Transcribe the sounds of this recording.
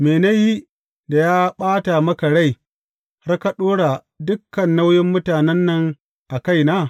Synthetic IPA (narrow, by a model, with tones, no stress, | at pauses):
meː˨na˦ji˦ | da˨jaː˦ɓaː˦ta˨mɐ˦ka˨ɽa˦˨j | ha˦rka˨ɗoː˦ɽa˨ | dʊ˦kːɐ˨nːa˦wjɪ˦mːʊ˦taː˨nɛ˦nːɐ˨ŋ | ʔa˨ka˦jnaː˦